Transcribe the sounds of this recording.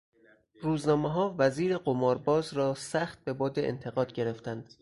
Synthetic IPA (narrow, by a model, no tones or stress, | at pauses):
ruːznɒːmeɦɒːvæziːɾe̞ɢomɒːɾbɒːzɾɒːsæxt̪̚be̞bɒːd̪eʔḛnt̪ʰe̞ɣɒːd̪ɡɟe̞ɾe̞ft̪ænd̪̥